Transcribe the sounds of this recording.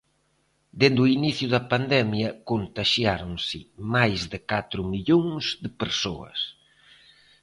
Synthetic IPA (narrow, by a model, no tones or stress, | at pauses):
d̪end̪uiniθjʊðɐpand̪ɛmjɐkont̪aʃjaɾʊŋsɪmajzðɪkat̪ɾʊmiʎoŋzd̪ɪpeɾsoɐ̰s